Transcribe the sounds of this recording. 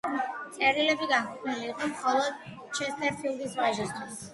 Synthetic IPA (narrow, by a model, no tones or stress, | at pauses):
sʼɛɾilɛbiɡaŋkʰuqʼʰniliːqʼɔmχɔlˠɔd̪ | t͡ʃʰɛst̪ʰʼɛɾpʰilˠd̪isvaʒist̪ʰwis